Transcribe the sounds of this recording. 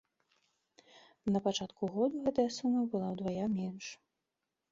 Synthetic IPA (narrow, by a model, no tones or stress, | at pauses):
nɐpat͡ʂat̪kuɣɔd̪uɣɛt̪ɐjɐsumɐbɨlˠawd̪vajamʲɛnʂ